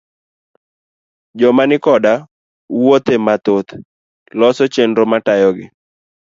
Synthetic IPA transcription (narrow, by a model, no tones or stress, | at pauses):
d͡ʒɔmanɪkɔda | wot̪emat̪ot̪ | lɔsɔt͡ʃendɔmatajɔɡɪ